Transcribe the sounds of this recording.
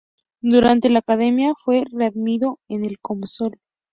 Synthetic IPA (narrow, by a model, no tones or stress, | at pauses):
d̪uɾant̪e̞laːkaðe̞mjafwe̞reaðmiðo̞ene̞lkomso̞l